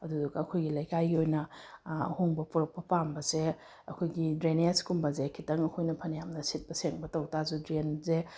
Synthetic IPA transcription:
ɐdudɐkɐkʰojɡilɐjkajɡiojnɐ | hoŋbɐpuɾɐk̚pːɐpambɐse | ɐkʰojɡidɾeneskumbɐzekʰitɐŋɐkʰojnɐpʰɐnijamnɐsit̚pɐseŋbɐtɐwtazudɾenze

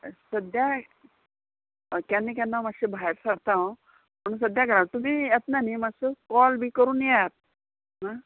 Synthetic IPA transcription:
səd̪ja | kanːikanːamaɕibʱaeɾsaɽt̪ãʋ̃ | pəɳsəd̪jaɡəɾawt̪um̤iːjat̪̚nanimasəkɔlbʱiːkəɾuːnjɛt̪̚ | na

